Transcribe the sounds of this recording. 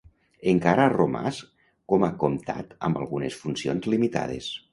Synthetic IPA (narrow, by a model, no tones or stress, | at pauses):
eŋkaɾaːroma̰s | komakomt̪a̰t̪ə̰mba̰lˠɣunesfunsionzlimit̪a̰ð̞ḛs